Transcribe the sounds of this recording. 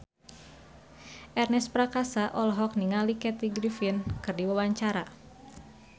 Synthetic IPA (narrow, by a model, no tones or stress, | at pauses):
ʔɛrnɛspɾakasaʔɔlɔɦɔk̚niŋalikɛt̪iɡɾifinkɨrdiwawaɲt͡ʃaɾa